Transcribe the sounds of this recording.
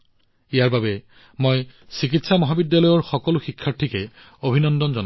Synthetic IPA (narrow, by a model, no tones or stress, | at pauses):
ijaɹbabɛ | mojsik̬itsamɔɦabidːalɔjɔɹxɔkɔlʊxikʰːaɹtʰːikɛ | obʱinɔndɔnzɔna